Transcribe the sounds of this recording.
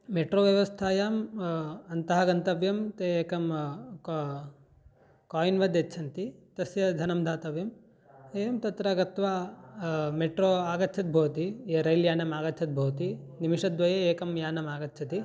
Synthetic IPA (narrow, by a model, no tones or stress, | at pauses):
meʈɾoːʋjɐʋɐst̪ʰaːjaːm | ɐnt̪ɐɦɐɡɐnt̪ɐʋjɐmt̪eːeːkɐm | kaːjinʋɐd̪jetːt͡ʃʰɐnt̪it̪ɐsjɐd̪ʱɐnɐmd̪ʱaːt̪ɐʋjɐm | eːjɐmt̪ɐt̪ɾɐɡɐt̪ʋaː | meʈɾoːaːɡɐt̪ːt͡ʃʰɐt̪̚bʱɐːt̪ieːɾɐjljaːnɐmaːɡɐt̪ːt͡ʃʰɐt̪̚bʱɐwt̪inimiʂɐd̪ʋɐjeeːkɐmjaːnɐmaːɡɐt̪ːt͡ʃʰɐt̪i